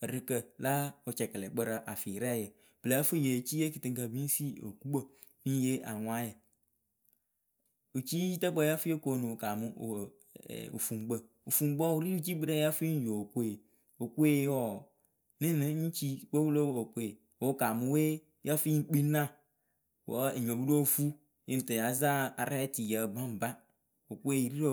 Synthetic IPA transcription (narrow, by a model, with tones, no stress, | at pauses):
ɾɨ˨kə˨la˦o˨t͡ʃɛ˨kə˨lɛ˨ɡ͡bə˦ɾa˨ʔa˨fi˨ɾɛ˦˨je˨ | b̥ɨ˨la˨˦fi˦˨je˨t͡ʃi˦je˦ki˨tɨ˨ŋka˨bi˦n˦si˦o̰˨ku˦bə˦ | ni˦je˦ʔa˨ŋʷa˦jə˨ | o˨t͡ʃi˦i˦ta˦k͡pə˦ja˦fi˦e˦ko˨nu˨ka˨mu˦o̰˨ | o̰˨fu˨ŋ˨ɡ͡bə˨ | o˨fu˨ŋ͡mɡ͡bo˦˨u˨ɾi˦ɾu˦t͡ʃi˦bi˦ɾe˦ja˦fi˦jo˨ko˦e˨ | o˨ku˦e˦ɔ˦˨ | ni˦ne˦n̩˦t͡ʃi˦k͡po˦wu˦lo˦˨o˨ku˦e˨ | wo˨˦ka˨mu˦we˦ | ja˦fi˦k͡pi˦nã˦˨ | wo̰˨˦˨ɲ˨o˨bu˦do˦˨fu˦ | e˦n˨ta˨ja˨˦za˦a˨ɾa˦ti˨ja˨bã˦m̩˨ba˦ | o˨ku˦e˦i˨ɾi˦ɾo˨